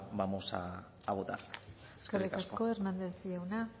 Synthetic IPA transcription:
bamosa̰ | aβot̪a̰resskerik̪asko̞eɾnand̪e̞sjawna

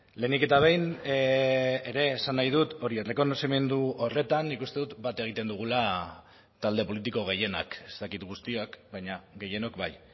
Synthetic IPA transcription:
le̞nike̞t̪aβ̞e̞jn | eɾe̞ːsanːajð̞ut̪o̞ɾiet̪leko̞nosime̞nd̪uo̞re̞t̪anːikust̪e̞ðut̪bat̪e̞ɣ̞it̪e̞nd̪uɣ̞ula | t̪ald̪e̞po̞lit̪̬iko̞ɣ̞e̞je̞na̰ke̞st̪akit̪ɣust̪iokbajɲaɡe̞je̞no̞kbaj

